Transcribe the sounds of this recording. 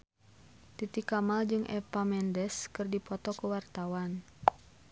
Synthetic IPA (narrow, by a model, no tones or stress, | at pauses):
t̪it̪ikamald͡ʒɨŋʔɛ̰pamɛndɛskɨrdipɔt̪ɔkuwart̪awan